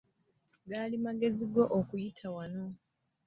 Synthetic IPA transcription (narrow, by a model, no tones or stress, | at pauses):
ɡaːlimaɡe̞ziɡo̞ʔokujitʰawano̞